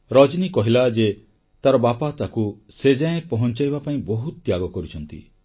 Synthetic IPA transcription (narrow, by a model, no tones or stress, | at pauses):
ɾɔd͡ʒnikɔɦilad͡ʒe | t̪aɾɔbapat̪aku | sed͡ʒaẽpɔɦɔnt͡ʃajbapaĩbɔɦut̪t̪jaɡɔkɔɾut͡ʃʰɔnt̪ḭ